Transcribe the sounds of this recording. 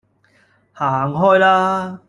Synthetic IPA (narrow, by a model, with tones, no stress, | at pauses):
haː˨˩ŋɦɔː˥jlaː˦˥